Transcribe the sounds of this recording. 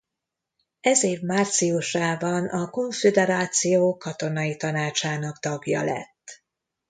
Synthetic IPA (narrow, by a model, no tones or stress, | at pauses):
ɛzeːvmaːrt̪sijuʃaːbɒnɒko̞ɱfed̪ɛɾaːt̪sijoːkɒt̪o̞nɒjit̪ɒnaːt͡ʃaːnɒɡt̪ɒɡjɒ̰lɛ̰t̪ː